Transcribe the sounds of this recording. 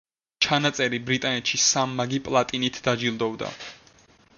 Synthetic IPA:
t͡ʃʰanat̪sʼɛɾibɾit̪ʼanɛt̪ʃisamːaɡipʼlˠat̪ʼinit̪ʰd̪ad͡ʒilˠd̪ɔvd̪a̰

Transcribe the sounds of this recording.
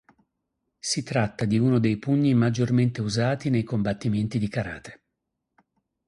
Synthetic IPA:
sit̪ɾat̪ːad̪iuːnod̪ejpuɲːimad͡ʒːorment̪euzaːt̪inejkombat̪ːiment̪id̪ikaɾa̰ːt̪e̥

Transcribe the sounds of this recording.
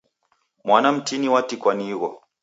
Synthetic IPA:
mwanam̩tiniwatikwaniɣɔ

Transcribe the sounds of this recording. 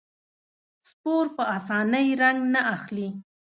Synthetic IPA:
spoɾpəɑsɑnəjɾaŋɡnaʔaxli

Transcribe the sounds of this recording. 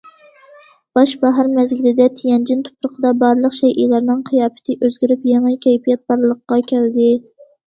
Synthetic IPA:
b̥ɑʃbæɦɾmæzɡʲɪlɪd̪ɛt̪ʰijɛnd͡ʒɪnt̪ʰʊ̥pɾəqʰəd̪ɑbɑɾlˠəqʃɛjʔḭlæɾnɪŋqʰɨjɑːpɪ̥t̪ʰɪʔøzɡʲɪɾypjeŋɨkʲʰɛjpijɛt̪̚bɑɾlˠəqːɑkʲʰæld̪ɪ

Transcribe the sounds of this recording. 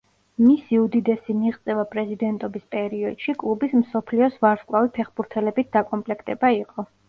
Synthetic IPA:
misiud̪id̪ɛsimiʁt̪sʼɛvapʼɾɛzid̪ɛnt̪ʼɔbispʼɛɾiɔd̪̥ʃikʼlˠubismsɔpʰliɔsvaɾskʼlˠavipʰɛχbuɾt̪ʰɛlɛbit̪̚ʰd̪̥akʼɔmpʼlɛkʰt̪ʼɛbaiqʼɔ

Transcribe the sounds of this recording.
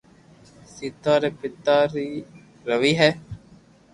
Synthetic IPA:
siːt̪aːɾeːpɪt̪aːɾiː | ɾəʋiːɦɛː

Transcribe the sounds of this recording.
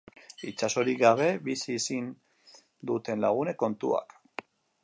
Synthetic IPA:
it͡ʃaso̞ɾikɡaβ̞e̞βisisin | d̪ut̪e̞nla̰ɣ̞une̞ko̞nt̪ṵa̰k

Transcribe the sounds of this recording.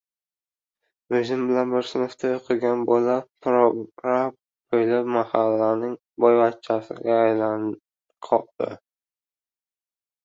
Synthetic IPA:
veʒɪmbɪlanbɪɾsɪnʊft̪ʰajoqʰɨɡʲanbolapʰɾɾap | qʰojlɪpmahalːanɪŋ | bɒjbat̪̚t͡ʃʰasɪ̰ɡʲaːjlan | qʰɒq̚d̪̥ɪ̰

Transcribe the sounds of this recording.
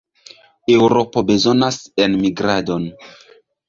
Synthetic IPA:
e̞wɾo̞po̞be̞zo̞nase̞nmiɡɾado̞n

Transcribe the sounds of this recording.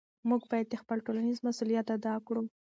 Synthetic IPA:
muɡbɑjad̪̚d̪əxpəlʈolanizmasulijat̪ad̪ɑkɽu

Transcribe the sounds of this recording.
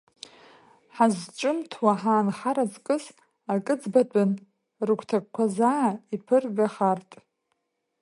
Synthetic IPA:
ħazt͡ʃʼɨmtʰwaħaːnχaɾazkʼɨs | akʼɨd͡zbatʷʼʊn | rɨkʷʰtʰak̚ʷkʷʰazaːipʰɨrɡaχartʼ

